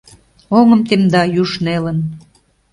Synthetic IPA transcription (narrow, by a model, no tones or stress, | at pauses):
oŋəmt̪emd̪ɑjuʃnelə̆n